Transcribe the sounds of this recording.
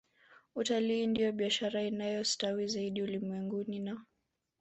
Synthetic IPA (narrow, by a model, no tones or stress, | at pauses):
utaliːndijɔɓiaʃaɾainajɔstawizaiɗiulimwɛŋɡunina